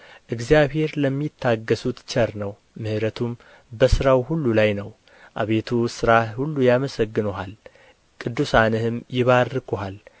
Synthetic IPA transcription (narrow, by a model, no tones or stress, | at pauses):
ʔɨɡzijaβhe̞ɾləmːit̪ʰːaɡːəsut̪t͡ʃʰʼəɾnəw | mɨhɨɾət̪ʰum | bəsɨɾawhulːulajnəw | ʔaβe̞t̪ʰusɨɾahulːujaməsəɡːɨnoɦal | kʼɨd̪ːusanɨhɨmjɪβarːɨkʰoɦal